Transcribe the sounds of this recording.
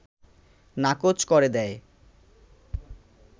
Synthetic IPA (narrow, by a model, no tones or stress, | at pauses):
nakot͡ɕkoɾed̪ɛe